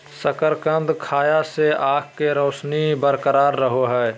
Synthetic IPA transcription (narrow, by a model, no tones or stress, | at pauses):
səkəɾkə̃nd̪kʰaːjaseaːk̚keɾoːsnibəɾkəɾaːɾːəɦoɦɛː